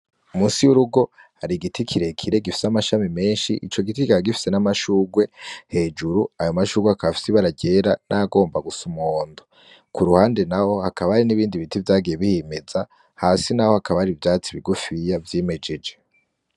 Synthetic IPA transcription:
umuːsiwuɾuɡo̞ | haɾiɡitʰikʰiɾe̞kʰiɾe̞ɡifi̥samaʃamime̞ːnʃiʔḭt͡ʃo̞ɡitikiaɡifi̥se̞namaʃuːɡwe̞he̞d͡ʒuɾuajo̞maʃuːɡweakaβafi̥siβaɾaɟeːɾanʔaɡo̞ːmbaɡusumoːndo | kuɾuhaːnde̞naho̞hakaβahaɾiniβiːndiβitivjaːɡijeβihimeza | haːsinaho̞hakaβahaɾivjaːt͡siβiɡufijavjeme̞d͡ʒe̞d͡ʒe̞

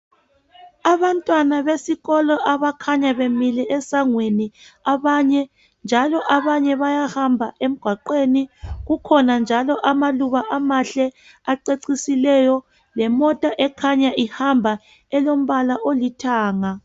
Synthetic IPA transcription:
aβantʼwanaβesiɣɔlɔʔaβakʰaɲaβemilɛɛsaŋweniaβaɲɛ | nd͡ʒʱalɔʔaβaɲɛβajahambʱaʔem̩ɡ̥ʱwaǃeniɣukʰɔnand͡ʒʱalɔʔamaluβaʔamaɬɛ | aǀeǀisilɛjɔ | lɛmɔtʼaʔɛkʰaɲaʔihambʱa | ɛlom̩βalaʔolitʰaːŋa

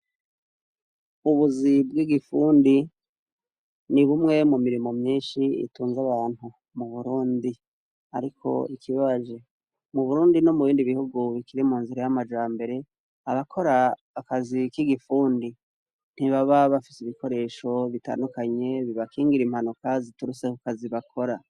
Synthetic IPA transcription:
uβuzibɡiːɡifuːndi | niβumŋe̞mumiɾimo̞mɲiːnʃiḭtuːnzaβaːn̥hu | muβuɾuːndi | aɾikʰo̞̰ikʰiβaβaʒe | muβuɾuːndinomuβiːndiβihuɡuβikiɾimuːnziɾajamad͡ʒaːmbe̞ɾe̞ | aβakʰo̞ɾaː | kazikiɡifuːndi | n̥hiβaβaβafi̥siβiko̞ɾe̞ːʃo̞βita̰ːndukaɲe̞βiβakiːŋɡiɾimhanukazituɾuse̞kukaziβakʰo̞ɾa

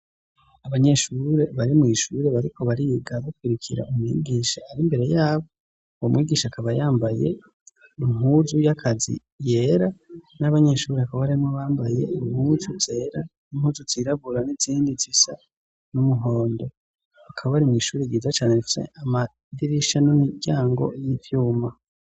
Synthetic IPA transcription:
aβaɲe̞ʃuɾe̞βaɾimŋiːʃuɾe̞βaɾikʰo̞βaɾiɡaβokwiɾikʰiɾa̰ʔumŋḭːɡiːʃaaɾimbe̞ɾe̞jaːβo | uwomwʔiːɡiːʃaakaβajaːmbaje̞̰ | iŋɦuːzujakʰazḭ | je̞ːɾanaβaɲe̞ʃuːɾiakaβaɾimŋoβaːmbaje̞̰iŋhuːzuz̥e̞ːɾanimhuːzuziɾaβuɾaniziːndizisa | numuɦo̞ːndo̞ | akʰaβaβaɾimŋiːʃuːɾiɡiːzat͡ʃaːnefi̥sḛʔama | diɾiʃanumiɟaːŋɡo̞̰jivjuːma

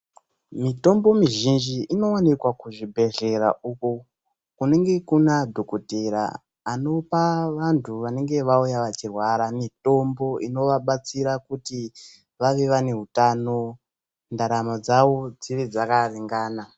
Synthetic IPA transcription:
mito̞mbo̞miʒind͡ʒiino̞wanikwakuʐibʱe̞ɮe̞ra̰ʔuku | kune̞ŋɡe̞kunadʱokoteɾa̰ː | no̞paʋantʰuʋane̞ŋɡe̞ʋaujaʋat͡ʃirwaɾamito̞mbo̞ino̞ʋaɓat͡siɾakuti | ʋaʋeʋane̞ɦutaːno̞ | ndaɾamad͡zawo̞d͡ziʋed͡zakariŋɡaːna

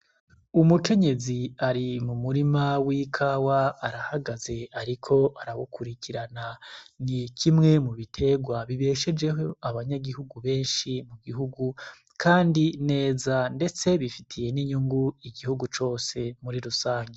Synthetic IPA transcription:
umuke̞ɲe̞ziaɾimumuɾimawikʰawaːɾahaɡaze̞aɾikʰo̞ʔaɾaβukʰuɾikiɾananikʰimŋe̞muβitʰe̞ɡwaβiβe̞ːʃe̞d͡ʒe̞ɦo̞aβaɲaɡihuɡuβe̞ːnʃimuɡiɦuɡu | kʰaːndine̞ːzande̞t͡se̞βifitʰije̞niɲuŋɡuiɡihuɡut͡ʃo̞ːse̞muɾiɾusaːɲɡe

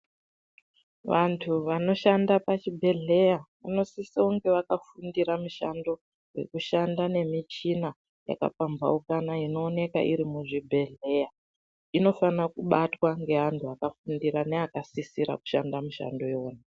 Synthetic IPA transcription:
ʋantʰuʋano̞ʃandapat͡ʃibʱe̞ɮe̞jaʋa̰no̞sisioŋɡe̞ʋakafundiɾamuʃando̞ | we̞̰kuʃandane̞mit͡ʃina | ja̰ka̰pamba̰ukanaino̞ːne̞ka̰ʔiɾimuʐibʱe̞ɮe̞ja | ino̞fanakuɓatwaŋɡe̞ɦantʰuakafundiɾaneakasisiɾa̰ku̥ʃandamuʃa̰ndo̞eoːna

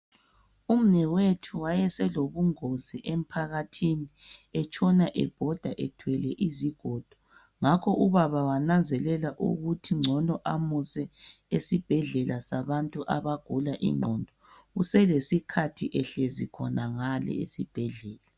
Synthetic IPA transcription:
um̩nɛwetʰuwajɛsɛloβuŋoziʔem̩pʰaɣatʰiniɛt͡ʃʰʼɔnaʔɛ̰b̥ʱɔd̥ʱaʔɛtʰwɛlɛʔiziɡ̥ʱɔd̥ʱɔ̥ | ŋakʰɔʔuβaβawanand͡zʱɛlɛlaʔṵɣutʰiŋ͡ǀʱɔndʱɔʔamusɛ | esib̥ʱɛɮɛlasaβantʼuʔa̰βaɡ̥ʱulaʔḭŋ͡ǀʱɔndʱɔɣusɛlesikʰatʰiʔɛɬɛzikʰɔnaŋalɛ̰esib̥ʱɛɮɛːla

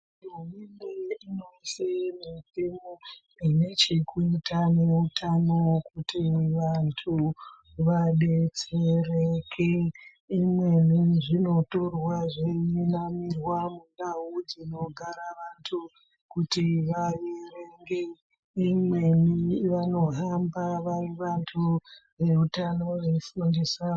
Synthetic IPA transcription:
omineinosemipimo | ine̞t͡ʃekuitane̞utʰanokutimwiʋantʰu | ʋaɗe̞t͡serekʰe | imwe̞niʐino̞to̞rwaʐeinamirwamunɗawud͡zino̞ɡʱaɾaʋantʰu | kutiʋajereŋɡe | imwe̞niʋano̞ɦambaʋariʋantʰuʋe̞utano̞ʋefundesa

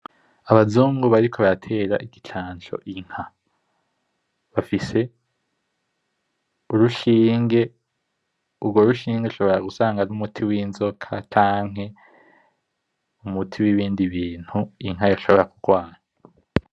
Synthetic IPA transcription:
aβazuːŋɡuβaɾikʰo̞βajatʰe̞ːɾa̰ʔiɡit͡ʃʰaːnt͡ʃo̞̰ʔiŋ̥ha | βafise̞ | uɾuʃiːŋɡe̞ | ubɡo̞ɾuʃiːŋɡeuʃo̞βo̞ɾaɡusaːŋɡanumutʰiwiːnzo̞kʰat͡ʃaːŋ̥ɦe̞ | umutʰiwiβiːndiβiːn̥huiŋɦajaʃo̞βo̞ɾakuɡwaːɲa

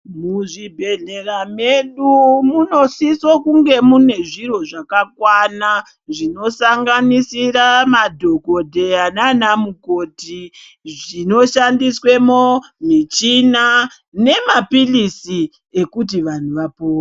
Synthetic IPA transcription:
muʐibʱe̞ɮe̞rameɗumuno̞sisokuŋɡe̞mune̞ʐiro̞ʐakakwana | ʐino̞saŋɡanisiramadʱo̞ko̞dʱeananamuko̞ti | ʐino̞ʃandiswe̞momit͡ʃina | ne̞mapilisi | e̞kut̬iʋan̤uʋapoː

